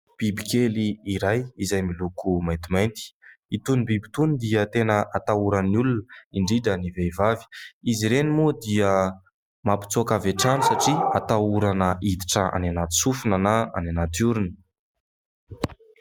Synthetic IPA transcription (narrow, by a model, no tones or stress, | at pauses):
b̥ibikʲeliːɾajizajmilukumajnt̪imajnt̪i̥it̪unibibi̥t̪unid̪iət̪enəʔat̪auɾanulunəiɳɖ͡ʐiɖ͡ʐəniveivavi̥iziɾenimud̪iə | mapi̥t͡suakavaʈ͡ʂanusaʈ͡ʂiat̪auɾanəʔid̪iʈ͡ʂəa̰nanat̪i̥sufunənaa̰nanat̪uɾunə̥